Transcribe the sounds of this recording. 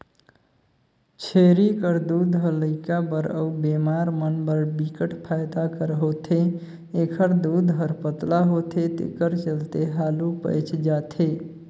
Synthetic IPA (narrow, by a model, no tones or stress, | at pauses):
t͡ʃʰeɾikəɾd̪ud̪ʱɦələɪkabəɾə̰ubemaɾmənbəɾbikəʈʰpʰajd̪akəɾɦot̪ʰe | ekʰəɾd̪ud̪ʱɦəɾpət̪laɦot̪ʰet̪ḛkəɾt͡ʃəlt̪eɦalupə̰jt͡ʃʰd͡ʒat̪ʰe